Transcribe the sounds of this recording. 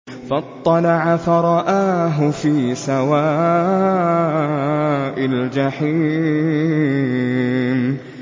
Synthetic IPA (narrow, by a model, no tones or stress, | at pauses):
fɑt̪ˤːɑlɑʕafaɾˤɑʔaːɦʊfiːsawaː | ʔald͡ʒaħiː | n